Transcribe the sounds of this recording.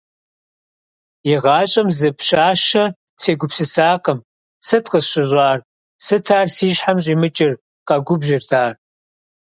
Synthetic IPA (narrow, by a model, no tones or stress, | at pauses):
iʁɑːt͡ʃʼɐmzɨpɕaːʃɐ | sʰeːɡʷʊpsɨsaːqəm | sɨtqəsɕɪʑʷʼaːr | sɨtʰaːrsiːɕħamɕ̬ʼiːmɨt͡ʃʼɪr | qɐɡʷʊbʒɪrtʰaːr